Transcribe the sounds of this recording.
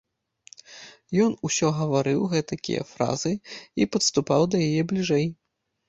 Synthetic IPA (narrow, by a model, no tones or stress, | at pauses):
jɔnusʲɔɣɐvaɾɨwɣɛt̪ɐkʲḭjɛ̰fɾa̰zɨipɐt̪st̪upawd̪ɐjajɛblʲiʐɛj